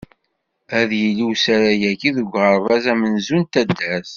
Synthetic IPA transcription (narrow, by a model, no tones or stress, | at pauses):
æðjəlːiwsæɾæjækiðəɡʷʁəɾˤvæzæmənzunt̪æd̪ːæs